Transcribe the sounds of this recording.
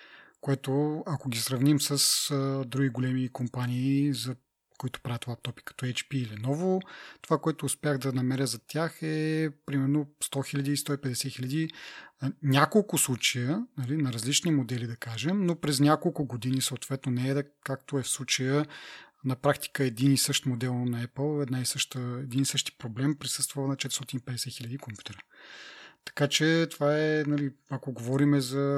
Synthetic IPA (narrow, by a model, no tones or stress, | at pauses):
koɛt̪oɐkoɡʲisɾɐvnimsəsd̪ɾuɡʲiɡolɛmikompaniːzɐ | koit̪ʊ̥pɾavʲət̪ovapt̪ɔpi̥kɐ̥t̪ɔɛt͡ʃpiːlinɔvot̪ovakoɛt̪ʊːspʲjaɣd̪ɐnɐmɛɾʲjəzɐt̪ʲjaxɛpɾimɛɾnost̪ɔxilʲɐd̪iːst̪ɔipɛd̪ɛsɛxilʲɐd̪i | nʲakolˠkʊslˠut͡ʃɐjənɐlinɐɾɐzlit͡ʃnimod̪ɛlid̪ɐkaʒɛmnopɾɛznʲjakolˠkʊɡod̪inisəot̪v̥ɛt̪nonɛɛd̪kakt̪oɛfslˠut͡ʃəjənɐpɾakt̪i̥kəɛd̪inisɤʃt̪mod̪ɛlˠnɐɛpəlˠɛd̪naɛsɤʃt̪əɛd̪inisɤʃt̪i̥pɾoblɛmpɾisɤst̪vəvnɐt͡ʃɛt̪st̪ɔt̪inipɛd̪ɛsɛtxilʲɐd̪ikompju̥t̪ɛɾə | t̪ɐ̥kat͡ʃɛt̪ovaɛnɐliɐkoɡovɔɾimɛzɐ